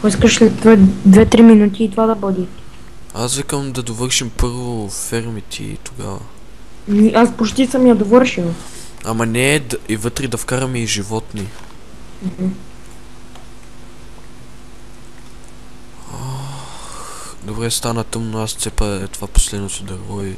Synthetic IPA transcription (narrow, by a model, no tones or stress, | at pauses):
kɔiskəʃslɛt̪vəd̪vɛt̪ɾiminut̪iːt̪ovad̪ɐbɔd̪i | asvɛkəmd̪ɐd̪ovɤɾʃimpɤɾvofɛɾmit̪ʰḭt̪oɡa̰və̰ | niʔaspot͡ʃt̪isəmjɐd̪ovɤɾʃil | amɐnɛd̪ivɤt̪ɾɛd̪ɐfkaɾəmiʒivɔt̪ni | m̩h̩ | a | x | d̪obɾɛst̪anət̪ɤmnoast̪sɛpɐɛt̪ovapo̥slɛd̪not̪od̪ɐɾvɔi